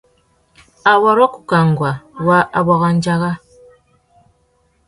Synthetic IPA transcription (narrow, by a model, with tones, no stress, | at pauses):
a˨wa˦ɾɔ˦ku˨ka˨ŋɡwa˨wa˦ʔa˨βa˨ɣa˨ɲd͡ʒa˦ɣa˦